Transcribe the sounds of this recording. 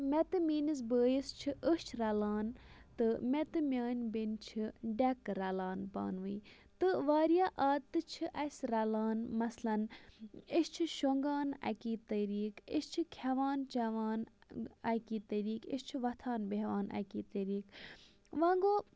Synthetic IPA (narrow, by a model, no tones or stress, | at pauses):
met̪ɨmiːniz̬bəːjist͡ʃʰiʔəst͡ʃʰɾɐlaːnt̪ɨmet̪ɨmʲjaːnʲbint͡ʃʰiɖɐkɾɐlaːnpa̰ːnʋɨː | t̪ɨʋaːɾijaːʔaːt̪ːɨt͡ʃʰɨʔɐsʲɾɐlaːnmɐslɐn | ist͡ʃʰɨʃoŋɡaːnɐ̰kiːt̪ɐɾiːkḭst͡ʃʰɨkʰɐʋaːnt͡ʃɐʋaːnɐkiːt̪ɐɾiːkḭst͡ʃʰiʋɐt̪ʰaːnbeɦʋaːnʔɐ̰kiːt̪ɐɾiːk | ʋãːŋɡoː